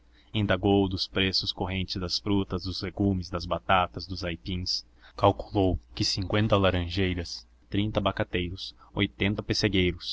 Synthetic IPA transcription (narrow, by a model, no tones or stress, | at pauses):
ĩnd̪aɡowd̪ʊspɾesʊskoɦẽnt͡ʃɪzd̪ɐsfɾut̪ɐzd̪ʊzleɡumɪzd̪ɐzbat̪at̪ɐzd̪ʊzajpĩs | kawku̥lowkɪsĩŋkwẽnt̪ɐlaɾɐ̃ʒejɾɐs | t̪ɾĩnt̪ɐbakat̪ejɾʊsojt̪ẽnt̪ɐpeseɡejɾʊs